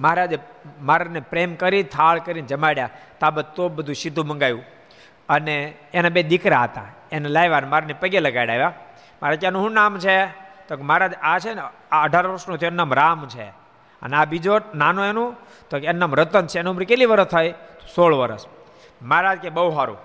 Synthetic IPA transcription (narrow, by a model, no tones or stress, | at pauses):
məɦɾad͡ʒemaɾanepɾemkəɾit̪ʰaɭkəɾind͡ʒəmaɽjat̪abət̪ːobəd̪ʱũʃid̪ʱũmə̃ŋɡajũ | əneː | nabed̪ikɾaɦət̪ã̰ | enelajʋanmaɾanepəɡeləɡajɽajʋa | maɾakanũɦũnamt͡ʃʰet̪okemaɾad͡ʒat͡ʃʰenaəɖʱaɾʋəɾsnot̪ʰienːamɾamt͡ʃʰḛ | ə̰nabid͡ʒonanõenũ | t̪okenːamɾət̪ənt͡ʃʰenumɾikeliʋəɾəst̪ʰːajt̪o̥soɭʋəɾə̰s | maɾad͡ʒkebəuɦaɾṵ̃